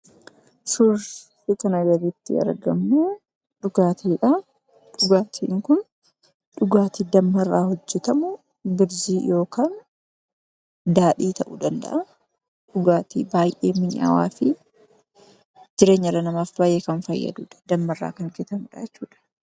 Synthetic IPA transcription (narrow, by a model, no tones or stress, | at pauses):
sʊɾfikɐnɐɡɐɾiːt̪ːɪ̰ɐ̰ɾɡɐ̰mːu | ᶑʊɡaːt̪ʰiːᶑɐ | ᶑʊɡaːt̪ʰḭːŋkʊn | ᶑʊɡaːt̪iːd̪ɐmːɐrːaːhɔd͡ʒːɛt̪ɐmʊ | bɪɾziːjo̞ːkaːn | d̪aːᶑiːt̪ɐʔṵːd̪ɐnd̪ɐ̰ʔɐ | ᶑʊɡaːt̪ḭːbaːjʔe̞̰ːmɪɲa̰wa̰ːfɪ | d͡ʒɪɾe̞ːɲːɐrːɐnɐmaːfbaːjʔeːkɐnfɐjːɐ̰d̪ṵːᶑɐ̥d̪ɐmːɐrːa̰ːkɐŋkɛt̪ɐmʊᶑɐ̰ɛt͡ʃːuːᶑɐ̥